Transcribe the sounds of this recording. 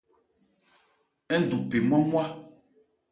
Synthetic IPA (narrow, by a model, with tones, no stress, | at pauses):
ɛ˦n̩˨du˨pe˨mɔ˦mwa˦